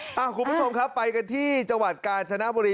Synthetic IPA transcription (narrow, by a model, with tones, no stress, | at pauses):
ʔa˨˩kʰu˧nbu˦˥t͡ɕʰo˧mkʰa˦˥pːa˧jka˧nt̪ʰiː˥˩t͡ɕa˧ŋwa˨˩t̪̚kaː˧nt͡ɕʰa˧na˦˥ʔboː˧ɾiː˧